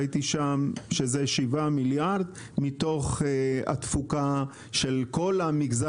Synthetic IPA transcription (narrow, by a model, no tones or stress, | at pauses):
t̪iʃamʃezeʃivamiljaʁd̪ | mit̪o̞χea̰t̪fuka | ʃelko̞lamiɡza